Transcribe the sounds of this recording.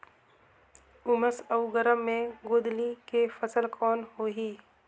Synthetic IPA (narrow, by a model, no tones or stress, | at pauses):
ʊməsəʊɡəɾəmːẽɡoːd̪likefəsəlkʰɔːnɦoːɦiː